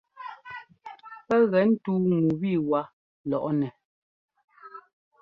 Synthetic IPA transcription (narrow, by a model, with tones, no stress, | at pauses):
pɛ˦ɣɛ˨˦n̩˦tuː˦ŋu˨bi˦˨wa˦ | lɔ˨ʔɔ˦nɛ˨